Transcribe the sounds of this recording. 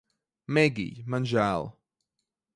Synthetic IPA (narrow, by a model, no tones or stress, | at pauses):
mɛɡḭmanʒalˠ